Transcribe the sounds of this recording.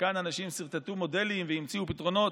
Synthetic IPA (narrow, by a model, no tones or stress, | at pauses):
kananaʃimsiʁt̪at̪umo̞de̞limveimt͡siupit̪ʁo̞no̞t